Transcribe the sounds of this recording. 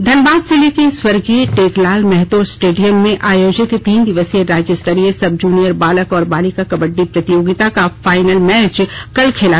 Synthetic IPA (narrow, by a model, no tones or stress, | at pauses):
d̪ʱɐnbaːd̪selekeswɐɾɡiʈeːklaːlmɛɦt̪osʈeːɖijəmːẽʔaːjoːd͡ʒɪt̪t̪iːnd̪ɪʋəseɾaːd͡ʒəst̪əɾiesɐb̚d͡ʒuːnijəɾbaːləkɔːɾbaːlikakɐbəɖːipɾɐt̪ɪjoːɡɪt̪akafaːɪnəlmɛːt͡ʃkɐlkʰeːlaː